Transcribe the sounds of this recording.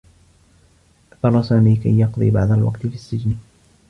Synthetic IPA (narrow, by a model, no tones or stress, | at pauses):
ʔfɑrˤːɑsaːmiːka̰jːɑqd̪ˤḭːbaʕd̪ˤalwɑ̰qt̪fisːɪd͡ʒn